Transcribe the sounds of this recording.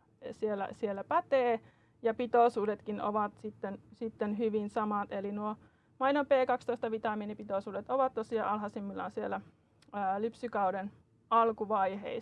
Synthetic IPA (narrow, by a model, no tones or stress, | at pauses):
sielːæ̰sielːæpæt̪eː | jɑpit̪oˑsuːdet̪kino̰ʋɑt̪sit̪ːensit̪ːenɦyʋinsɑmɑt̪elinuo | mɑinompeːkɑkst̪oist̪ɑʋit̪ɑminipit̪oˑsuːdet̪oʋɑt̪t̪osiɑ̰ɑlɦɑsimːilːɑ̰onsielːˑæː | lypsykɑuden | ɑlkuʋɑihḛi